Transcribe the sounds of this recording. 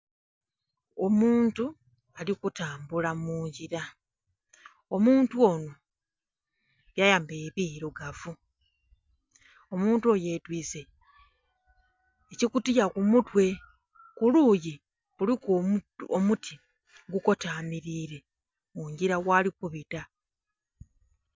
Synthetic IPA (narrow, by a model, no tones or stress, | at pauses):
omuːntu | alikutaːmbulamuːɲɟiɾa | o̞muːntuo̞no | βjajaːmbe̞ːβiːɾoɡavu | omuːntuoje̞twiːse̞ | ecikutijakumutwe̞ | kuluːji | βulikomutʰi̥ | ɡuko̞taːmiɾiːɾe̞ | muːɲɟiɾaɣwaːlikuβita